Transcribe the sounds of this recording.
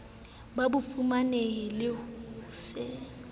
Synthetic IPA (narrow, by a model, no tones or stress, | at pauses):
babʊfumaneɛlɪsɪ